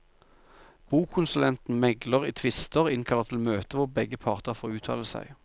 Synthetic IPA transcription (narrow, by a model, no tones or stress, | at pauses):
b̥uːkʰʊnsʉlɛnt̪n̩mɛɡləʁiːt̪ʰʋɪst̪əʁɪnkʰɑləʁt̪ʰɪlmøːt̪əʋʊʁbɛɡəpʰɑːʁt̪əʁfoːʉːt̪ʰɑ̰ːləsæ̰ɪ